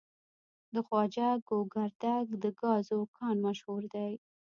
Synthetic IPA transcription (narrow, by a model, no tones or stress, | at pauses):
d̪əxwɑd͡ʒɑɡoɡaɾd̪aɡd̪əɡɑzokʰɑnmaʃhuɾd̪aj